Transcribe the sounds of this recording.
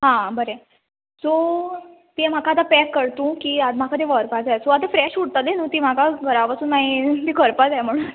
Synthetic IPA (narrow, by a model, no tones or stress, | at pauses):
ɦãbəɾe | so | t̪ĩm̤akat̪apɛkːəɾt̪ũkiːad̪makʰat̪eʋəɾpad͡zajsoat̪afɾɛɕuɽt̪at̪enũːt̪im̤akaɡʱəɾaʋasuːnːaɦit̪ikəɾpad͡zajm̤əɽ̃uːn